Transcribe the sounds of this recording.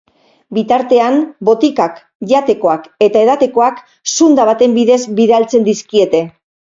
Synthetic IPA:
bit̪aɾt̪e̞ambo̞t̪ikak | ʝat̪e̞ko̞ake̞t̪ae̞ð̞at̪e̞ko̞ak | sund̪aβat̪e̞mbiðe̞zbiðealt͡se̞nd̪iskie̞t̪e̞

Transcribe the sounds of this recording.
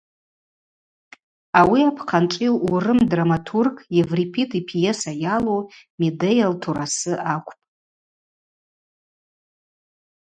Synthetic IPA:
awiapʰqʰanʈ͡ʂʼiwurɨmdramatʰurɡʼjevripʰitʼʰipʰjesajalowmedejaltʰuɾasɨʔakʷʰʼpʼ

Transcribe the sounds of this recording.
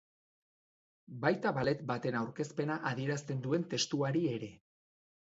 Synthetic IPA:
bajt̪aβale̞t̪bat̪e̞nawɾke̞spe̞naʔaðie̞ɾast̪e̞nd̪ue̞nt̪e̞st̪uaɾie̞ɾe̞

